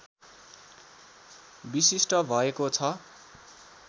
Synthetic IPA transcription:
bisisʈʌbʱʌekot͡sʰʌ

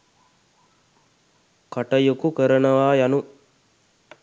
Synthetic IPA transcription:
kaʈɐjukukəɾənɐʋaːjanu

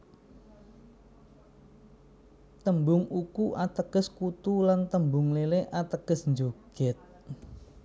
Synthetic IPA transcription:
t̪əmbʊŋukuʔat̪əɡ̥əskut̪ulant̪əmbʊŋleleʔat̪əɡ̥əsnd͡ʒoɡ̥ɛt̪̚

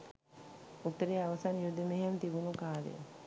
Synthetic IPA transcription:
ut̪ːəɾeːaʋəsanjud̪ːəmeɦemt̪ibunukaːlə̰ə̰

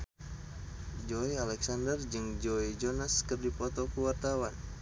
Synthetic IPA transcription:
d͡ʒoialɛksandərd͡ʒɨŋd͡ʒoid͡ʒonaskɨrdipɔt̪ɔkuwart̪awan

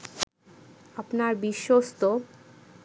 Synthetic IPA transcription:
apnaɾbiʃːost̪o

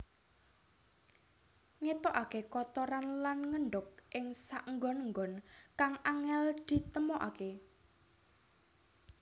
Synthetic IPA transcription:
ŋet̪ɔʔakekɔt̪ɔɾanlanŋəɳɖʊk̚ʔɪŋsaʔŋɡɔnəŋɡɔnkaŋaŋɛld̪̥i̤t̪əmɔʔa̰ke

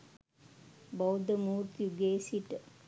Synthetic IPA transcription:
bowd̪əmuːɾt̪juɡeːsiʈ

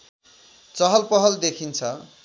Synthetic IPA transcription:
t͡sʌɦʌlpʌɦʌld̪ekʰint͡sʰʌ

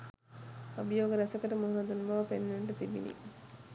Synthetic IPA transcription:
ɐbijoːɡəɾɛsɐkəʈəmuɦnɐd̪unʋaːpenːeɳʈɐt̪ibḭnḭ

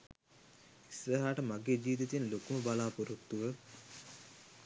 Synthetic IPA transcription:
isɾɐɦaːʈəmaɡeːd͡ʒiːʋit̪it̪enlokuməbalaːpuɾut̪ːuʋə

